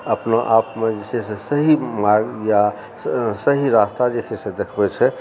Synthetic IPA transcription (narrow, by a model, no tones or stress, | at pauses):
əpnaʔapmed͡ʒesesesəɦimaɡja | səɦiɾast̪ad͡ʒesesẽd̪ekʰbɛt͡ʃʰɛ